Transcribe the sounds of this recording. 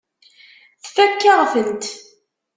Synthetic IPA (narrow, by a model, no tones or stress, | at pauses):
θθækːaʁfənt̪